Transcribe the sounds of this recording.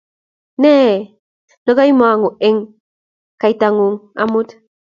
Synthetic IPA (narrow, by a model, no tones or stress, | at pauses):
ne | nəɣajmuaŋuʔeŋ | kajt̪aŋuŋa̰mut̪